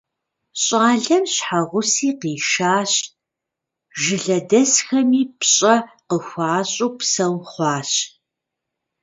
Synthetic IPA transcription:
ɕʼɑːɮɐmɕħaʁʷʊsiːqiːʃaːɕ | ʒɪɮɐdɐsxɐmiːpɕʼɐqəxʷɑːɕʼuːpsɐwχʷɑːɕ

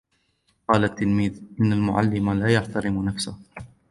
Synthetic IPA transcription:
qɑːlat̪ːɪlmiːðʔɪnːalmʊʕa̰lːɪmalaːjaħt̪aɾɪmnafsʊh

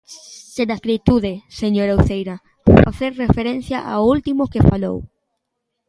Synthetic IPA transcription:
sed̪askɾit̪uðeseɲoɾauθejɾa | powfaθeɾrefeɾen̟θjaʔa̰ult̪imokefalo̰w

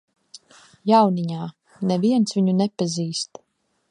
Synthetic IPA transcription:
jawniɲaː | nɛviɛnsviɲunɛpaziːst̪

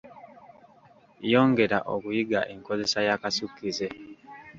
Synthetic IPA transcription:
jo̞ːŋɡe̞ɾa̰ʔo̰kujiɡa̰ʔe̞ŋko̞ze̞sajakasukːize

